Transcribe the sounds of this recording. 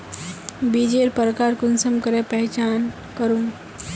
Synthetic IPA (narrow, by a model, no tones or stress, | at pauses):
bid͡ʒeɾpəɾkaɾkʊnsəmkəɾepɛɦt͡ʃaːn | kəɾũ